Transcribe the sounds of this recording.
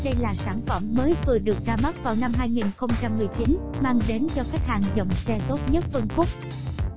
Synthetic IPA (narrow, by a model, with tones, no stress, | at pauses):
ɗə˧jlaː˨˩saː˧˩nfə˧˩mːəː˨˦jvɨ˨˩əɗɨ˨˩ək̚zaː˧ma˦˥t̚vaː˨˩wna˧mɦaː˧jŋi˨˩nxə˧wŋ͡mt͡ɕa˧mːɨ˨˩əjt͡ɕi˨˦nmaː˧ŋɗe˨˦nt͡ɕɔ˧ka˦˥k̚haː˨˩ŋzə˨˩wŋ͡msɛ˧t̪o˦˥t̚ɲə˦˥t̚fə˧nkʊ˦˥k͡p̚